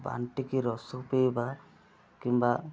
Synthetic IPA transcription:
ba̰nʈikiɾɔsɔkpeba | kimba

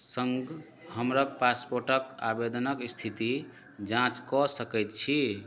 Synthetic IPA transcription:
səŋɡ | həmɾəkpaspoɾʈəkabed̪nəkst̪ʰit̪i | d͡ʒãt͡ʃkɔsəkɛjt̪̚t͡ʃʰi

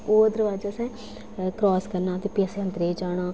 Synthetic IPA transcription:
oːd̪əɾʋaːd͡ʒaːsɛ̃ː | kɾɔːskəɾnaːt̪eːpɪəsənd̪ɾeːd͡ʒaːɽ̃aː

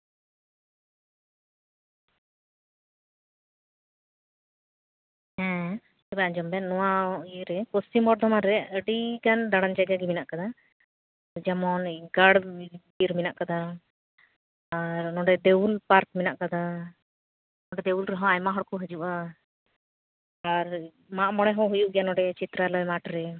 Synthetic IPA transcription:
hɛ̃ | t̪ɛbɛad͡ʒɔmbɛnːɔwãɾɛkosimɔʈ̚d̪ɔmaɾɛəɖiɡand̪aɽand͡ʒaɡaɡɛminaʔkad̪a | d͡ʒamɔnɡaɽbiɾminaʔkad̪a | ɾnɔ̃ɖɛd̪ewulpaɾk̚minaʔkad̪a | nɔ̃ɖɛd̪ewulɾaɦɔ̃ajmaɦɔɽkuɦəd͡ʒuʔa | ɾ | maʔmɔɽ̃ɛɦɔ̃ɦujuʔɡjanɔ̃ɖɛt͡ʃit̪ɾalɔmaʈɾɛ

